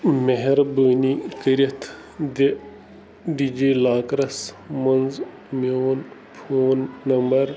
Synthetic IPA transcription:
meɦeɾbəːnikəɾɐt̪ʰ | d̪e | ɖid͡ʒiːlaːkɾɐs | mɐnz | mijoːn | pʰoːnːɐmbɐɾ

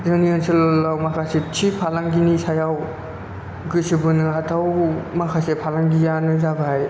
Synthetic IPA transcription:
zɯniɔnsɯllːawmakʰaset͡ʃʰipʰalaŋɡinisajaw | ɡɯsibɯnɯatʰawmakʰasepʰalaŋɡijanɯzabaɦaj

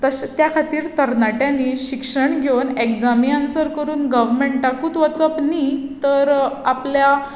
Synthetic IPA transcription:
t̪əɕt̪jakʰat̪iːɾt̪əɾnaʈjãniɕikʂəɳɡʱewnekd͡zamiansəɾkəɾuːnɡəʋmeɳʈakuːt̪ʋət͡səpnit̪əɾaplja

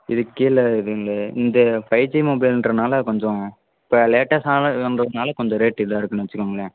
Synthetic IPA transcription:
ɪðɯkːilːɐɪðɯŋɡɐlɐɪ̰nd̪ɐpɐjt͡ʃːimoːbɐɪlɪndrɐnaːlɐkɔɲd͡ʒɔ̃ | ɪpːoleːʈːɐsaːlʋɐndɾɐðɐnaːlɐkɔɲd͡ʒɔ̃ɾeːʈːɪlːaːɪɾɯkːɯnʋɐt͡ʃːɯkːaːŋɡɐɭɐ

